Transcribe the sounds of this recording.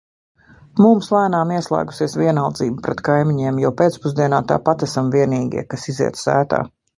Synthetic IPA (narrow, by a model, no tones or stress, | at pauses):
mumslˠæːnaːmiɛslˠa̰ːɡu̥siɛsviɛnalˠd̪ziːbupɾɛt̪kajmiɲiɛmjawpeːt̪spuzd̪iɛnaːt̪a̰ːpat̪æsamviɛniːɡʲḭɛkasizḭɛt̪ssæ̰ːt̪a̰ː